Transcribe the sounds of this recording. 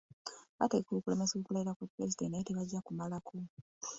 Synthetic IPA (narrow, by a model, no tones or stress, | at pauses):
βatekokule̞me̞soːkulajiɾakwupɾezidenteteβaɟːakumalakʰo